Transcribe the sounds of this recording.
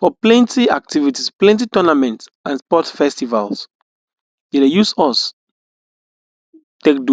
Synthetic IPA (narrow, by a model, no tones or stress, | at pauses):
fɔplɛ̃ntiak̚tivitisplɛ̃ntitɔnamɛ̃nts | ãnspɔtfɛstiva̰ls | jedejusɔs | tekdu